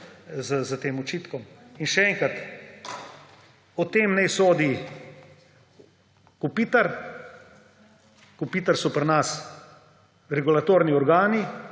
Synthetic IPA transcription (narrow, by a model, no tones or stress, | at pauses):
zəzat̪eːmɔt͡ʃiːt̪kɔminʃɛɛŋkɾat̪ | ɔt̪eːmnɛjsoːd̪i | kupiːt̪aɾ | kupit̪aɾsɔpɾnas | ɾɛɡulat̪oːɾniɔɾɡaːni